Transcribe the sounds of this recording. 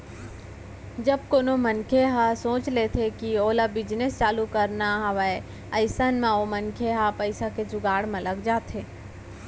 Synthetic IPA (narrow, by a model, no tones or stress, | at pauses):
d͡ʒɐb̚koːnomənkʰeɦasõːt͡ʃlet̪ʰekioːlabɪd͡ʒnest͡ʃaːlukəɾnaɦɐʋae | ɐɪsənmãomənkʰeɦapəɪsaked͡ʒʊɡaːɽmẽləɡd͡ʒaːt̪ɦeː